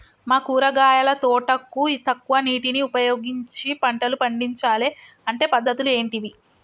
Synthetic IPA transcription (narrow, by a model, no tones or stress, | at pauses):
maːkuːɾɐɡaːjɐlɐt̪ɔːʈɐkːuiːt̪ɐkːuʋɐniːʈiniupɐjoːɡiɲt͡ʃipɐɳʈɐlupɐɳɖiɲt͡ʃaːleɐɳʈe̞ːpɐd̪ːɐt̪ulue̞ːɳʈiʋi